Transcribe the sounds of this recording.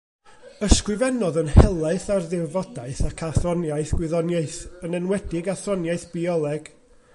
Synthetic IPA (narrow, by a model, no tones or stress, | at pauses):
əskrɪvɛnɔðənhɛlˠaɨθarðɪvɔdaɨθakʰaθrɔnjaɨθɡ̥wɪðɔnjaɨθənɛnwɛdɪɡaθɔnjaɨθb̥iɔlˠɛɡ̥